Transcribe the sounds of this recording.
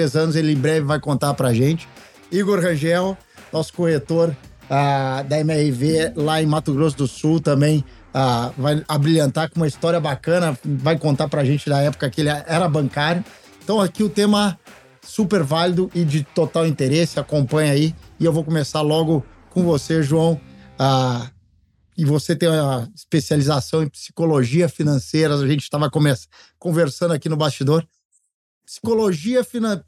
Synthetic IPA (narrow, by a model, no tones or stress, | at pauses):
t̪ɾezɐ̃nʊzelɪẽbɾɛvɪvajkõnt̪aɾpɾɐʒẽt͡ʃɪ̥ | iɡoɾhɐ̃ʒɛw | nɔsʊ̥kohet̪oɾ | ad̪ɐemɛhɪvelaẽj̃mat̪ʊɡɾos̬ʊd̪ʊsuwt̪ɐ̃mbẽj̃ | avajabɾilɐ̃nt̪aɾkõumɐist̪ɔɾiɐbakɐ̃nɐvajkõnt̪aɾpɾɐʒẽnt͡ʃɪd̪ɐɛpʊ̥kɐkɪelɪɛɛɾɐbɐ̃ŋkaɾjʊẽẽt̪ɐ̃w̃akiʊt̪ẽmɐ | supeɾvalid̪ʊʔɪd͡ʒɪt̪ot̪awĩnt̪eɾesɪakõpɐ̃ɲaiɪewvowkõmesaɾlɔɡʊkõvoseʒuɐ̃w̃a | ɪvoset̪ẽj̃ũɐɪspesializasɐ̃w̃ẽpsi̥koloʒiɐfinɐ̃sejɾɐaʒẽnt͡ʃɪ̥t̪avɐkõmeskõveɾsɐ̃nd̪akinʊbast͡ʃid̪oɾ | psi̥koloʒiɐfinɐ̃